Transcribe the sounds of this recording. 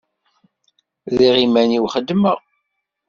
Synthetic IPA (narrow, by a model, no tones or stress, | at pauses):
ðiʁimæniwχəd̪ːməʁ